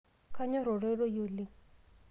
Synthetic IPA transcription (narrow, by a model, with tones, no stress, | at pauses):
ka˦ɲɔ˦ɾo˨ɾe˦ɾo˦jo˨li˦